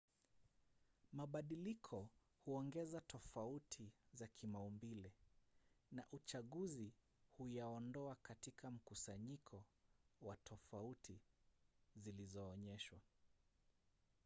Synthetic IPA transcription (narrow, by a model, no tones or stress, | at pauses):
maɓaɗilikʰɔ | huɔŋɡɛzatʰɔfautʰizakʰimaumbilɛ | naʔut͡ʃaɠuzi | hujaɔndɔakatikʰam̩kusaɲikʰɔwatʰɔfautʰi | zilizɔːɲɛʃwa